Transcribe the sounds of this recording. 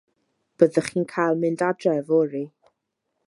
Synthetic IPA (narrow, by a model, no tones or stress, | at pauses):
b̥əðəχiːnkʰajlˠmɨndadrɛvɔɾi